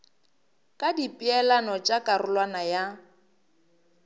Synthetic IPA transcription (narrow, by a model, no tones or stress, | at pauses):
kʼadipʼɪɛlanɔt͡ʃʼakʼarʊlwanaja